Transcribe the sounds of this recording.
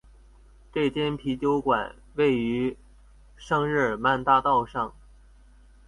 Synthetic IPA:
ʈ͡ʂɤ˥˩t͡ɕjɛ˥npʰi˧˥t͡ɕjo˧˥ʊkwa̰˨˩˦n | we˥˩ɪy˧˥ | ʂɤ˥˧ŋɻ̩˥˩ma˥˧nt̪a˥˧t̪ɑ˥˧ʊʂɑ˥˩ŋ

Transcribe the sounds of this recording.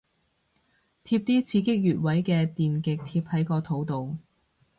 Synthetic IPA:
t̪ʰiː˧p̚t̪iː˥t͡sʰiː˨˥kɪ˥k̚jyː˨t̚wɐ˨˥jkɛː˧t̪iː˨nkɪ˨k̚t̪ʰiː˧p̚hɐ˨˥jkɔː˧t̪ʰo˨˥wt̪o˨w

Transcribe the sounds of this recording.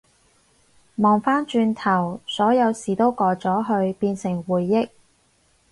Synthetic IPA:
mɔː˨˩ŋfaː˥nt͡ʃyː˧nt̪ʰɐ˨˩wsɔː˨˥jɐ˨˧wsiː˨˩t̪o˥wkɔː˧t͡sɔː˨˥ɦɵ˧ɥpiː˧nsɪ˨˩ŋwuː˨˩jːɪ˥k̚

